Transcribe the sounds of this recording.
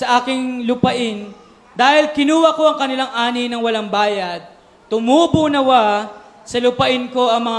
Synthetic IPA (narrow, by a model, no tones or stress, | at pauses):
sɐʔaːkɪŋlʊpɐʔɪn | d̪aːhɪlkɪnuːwɐko̞ʔɐŋkɐnɪlaŋʔaːnɪnɐŋwɐlaŋbaːjɐd̪̚ | t̪ʊmubʊnɐwa | sɐlʊpɐʔɪnko̞ʔɐŋmɐŋa